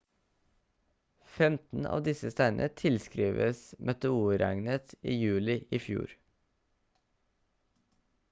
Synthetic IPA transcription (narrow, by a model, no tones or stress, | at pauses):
fɛmt̪n̩ɑ̰ːʋd̪ɪsəst̪æɪnʔət̪ʰɪlskɾiːʋəsmʔœt̪ɛuːɾæŋnət̪iːjʉːlɪʔiːfjṵːɾ